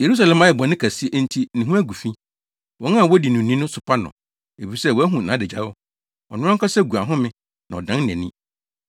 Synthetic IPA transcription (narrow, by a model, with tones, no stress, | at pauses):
je˨ɾu˦s̬a˨lɛ̃˨mã˦ɛ˨bɔ̃˨nɪ̃˦kʰæ˨si˦ʔn̩˦tʰi˦nɪ̃˨ɦũ˦æ˦ɡu˨fĩ˦ | wɔ̃˨˦ŋ˦ã˦˨wɔ˦di˨nũ˨nĩ˦nʊ̃˦sʊ˨pʰa˦nʊ̰̃˨ | e˨fi˨sɛ˦˨wɔ˨˦æ˦ɦũ˨nãː˨˦dɪ˨d͡ʑa˨˦ɔ˦ | ɔ˨nʊ̃˦ɔ˦kʰa˦sɛ˦ɡu˨a˨ɦʊ̃˦mɪ̃˦ | nã˨ɔ̰˨dã˦˨ɛ̃˨nĩ˦